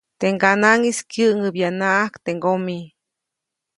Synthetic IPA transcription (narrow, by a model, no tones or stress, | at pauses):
t̪eŋɡanaŋiskjɨʔŋɨbjanaʔahkt̪eŋɡomi